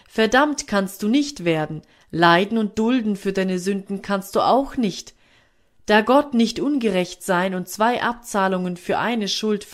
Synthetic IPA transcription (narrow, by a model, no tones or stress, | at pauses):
fɛɐdamtkʰanst̚d̥uːnɪçtv̥eːɐdn̩ | laɪdn̩ʊnt̚d̥ʊldn̩fyːɐdaɪnəzʏndn̩kʰanst̚d̥uːʔaʊxnɪçt | d̥aːɡɔtnɪçtʔʊnɡəʁɛçtz̥aɪnʊnt̚t͡sv̥aɪʔa̰p̚t͡saːlʊŋənfyːɐʔaɪnəʃʊlt